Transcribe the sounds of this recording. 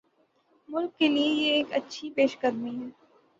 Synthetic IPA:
mʊlkːeliejeːkɐtːʃʰipeːʃɡəɾmiɦɛː

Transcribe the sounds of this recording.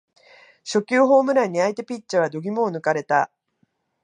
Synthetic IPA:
ɕo̞kʲɨːɦo̞ːmɯ̟ɾaɲ̟iait̪e̞pʲit͡ɕːaβ̞ad̪o̞ɡʲimo̞ːnɯ̟kaɾe̞t̪a

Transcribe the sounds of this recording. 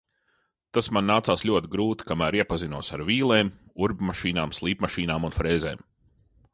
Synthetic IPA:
t̪asmanːaːt̪saːslʲuɔt̪iɡɾuːt̪i̥kamæːɾiɛpazinuɔsaɾvʲiːlˠeːmuɾbʲmaʃiːnaːmslˠiːpmaʃiːnaːmunfɾeːzḛːm

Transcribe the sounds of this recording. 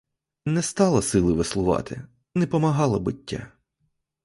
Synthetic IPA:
nɛst̪ɑlˠɐsɪlˠɪʋɪslˠʊʋɑ̰t̪ʰɪ̰ | nɛpɔmɐɦɑlˠɐbɪtʲːa̰

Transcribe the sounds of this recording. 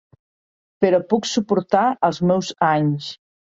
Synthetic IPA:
peɾɔpuksupuɾt̪aəlˠzmɛwzaɲs

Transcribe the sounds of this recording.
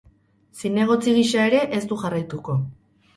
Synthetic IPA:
sine̞ɣ̞o̞t͡siɣ̞iʃae̞ɾe̞ʔe̞st̪uʝarajt̪uko̞

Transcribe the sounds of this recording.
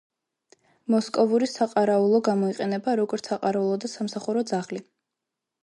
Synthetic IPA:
mɔskʼɔvuɾisaqʼaɾaulˠɔɡamɔiqʼɛnɛbaɾɔɡɔɾt̪saqʼaɾaulˠɔd̪asamsaχuɾɔd̪zaχli

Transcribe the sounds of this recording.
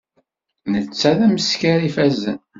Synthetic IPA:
nət͡sːæðæməskæɾifæzə̰n

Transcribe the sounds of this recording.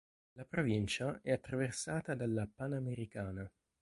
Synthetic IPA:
lapɾovint͡ʃaɛat̪ːɾaversaːt̪ad̪alːapanameɾikaːna

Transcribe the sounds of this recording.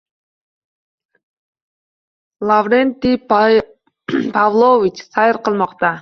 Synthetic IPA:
lˠavɾent̪ɪ | pʰɑvlˠovit͡ʃsɑjɪɾqəlˠmɑqt̪ɑ

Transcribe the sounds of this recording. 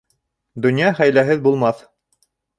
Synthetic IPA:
d̪ɵ̆njɑχæjlæɦɘðbulˠmɑθ

